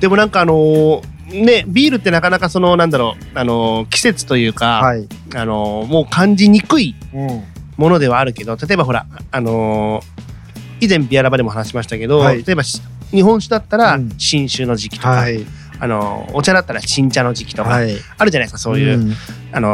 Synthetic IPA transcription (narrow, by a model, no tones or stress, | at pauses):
d̪̥e̞mo̞nãŋkaːno̞ | ne̞bʲiːɾɯ̟t̪ːe̞nakanakaso̞no̞nãnd̪aɾo̞ː | ano̞kʲi̥se̞t͡sɨ̥t̪o̞jɯ̟ːkaano̞mo̞ːkʰãɲ̟d͡ʑiɲ̟ikɯ̟i | mo̞no̞d̪e̞β̞aːɾɯ̟ke̞d̪o̞t̪at̪o̞e̞baɦo̞ɾa̰ːno̞ | izẽ̞mbʲiaɾabad̪e̞mo̞ɦanaɕimaɕi̥t̪ake̞d̪o̞at̪o̞e̞baɕ | ɲ̟iɦõ̞ɰ̃ɕɨd̪at̪ːaɾaɕĩɰ̃ɕɨːno̞ʑikʲi̥t̪oka | ano̞̰ːt͡ɕad̪at̪ːaɾaɕĩɲ̟t͡ɕano̞d͡ʑikʲi̥t̪o̞ka | aɾɯ̟d͡ʑanaiskḁso̞ːjɯː | ano̞